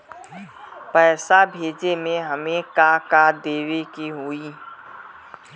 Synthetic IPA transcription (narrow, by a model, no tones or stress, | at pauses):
pɛːɪsabʱeːd͡ʒemẽɦɐmẽkakaːd̪eːwekiɦoi